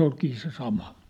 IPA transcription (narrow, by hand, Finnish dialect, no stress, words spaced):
olkiː se sɑmɑ